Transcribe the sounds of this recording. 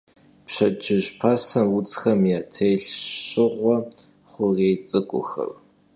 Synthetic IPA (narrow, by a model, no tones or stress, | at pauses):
pɕɐd͡ʒʰɪʒpʰasɐwʊt͡sʼxɐmjaːtʰejɬɕɪʁʷɔ | χʷʊreːjt͡sʼɨkʷʼʊ̰xɐ̰r